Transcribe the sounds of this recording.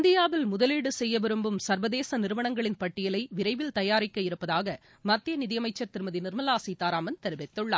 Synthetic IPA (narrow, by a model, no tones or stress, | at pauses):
nd̪ɪjaːʋɪlmʊðɐliːɽɯsɛjːɐʋɪɾɯmbɯmsɐɾʋɐðeːsɐnɪɾɯʋɐɳɐŋɡɐɭɪnpɐʈːɪjɐlɐɪʋɪɾɐɪʋɪlt̪ɐjaːɾɪkːɐɪɾɯpːɐðaːɣɐ | mɐt̪ːjɐnɪðɪjɐmɐɪt͡ʃːɐɾt̪ɪɾɯmɐðinɪɾmɐlaːsit̪ːaːɾaːmɐnt̪ɛɾɯʋɐt̪ːɯɭːaː